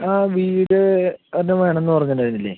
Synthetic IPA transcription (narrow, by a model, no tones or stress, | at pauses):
aːʋiːɾiɽɨɐnːɐʋeːɳɐ̃enːɨpɐrɐɲːɐndaːɾunːilːeː